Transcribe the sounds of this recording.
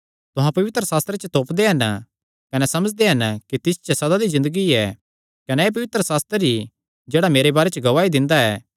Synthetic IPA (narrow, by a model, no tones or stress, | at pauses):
t̪ʊɦãpɐʋɪt̪ɾəsaːst̪ɾet͡ʃət̪oːpd̪eɦɐn | kɐnɛsɐməd͡ʒd̪eɦɐnkit̪ɪst͡ʃɐsɐd̪ad̪izɪ̃nd̪əɡiɛ | kɐnɛeːp̬ɐʋɪt̪ɾəsaːst̪ɾəɾi | d͡ʒeːɽameːɾebaːɾɛt͡ʃəɡɐʋaːid̪ɪ̃nd̪aɛː